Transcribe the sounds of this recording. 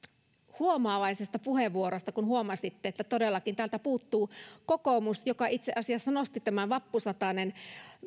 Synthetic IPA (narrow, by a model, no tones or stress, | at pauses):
huomɑːlɑisest̪ɑpuheʋːuoɾost̪ɑkunhuomɑsit̪ːeet̪ːæt̪odelːɑkint̪æːlt̪æpuːt̪ːuːkokomusjokɑit̪seʔɑsiɑsːɑnost̪it̪æmæʋɑpːusɑt̪ɑnen